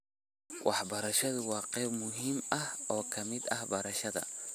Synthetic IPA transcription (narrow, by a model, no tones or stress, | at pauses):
wʔɑħbɐɾɐʃɐðʊwɑːqɛːbmʊɦiːmɐhɔːkʰɐmɪd̪ɐhbɐɾɐʃɐðɐ̰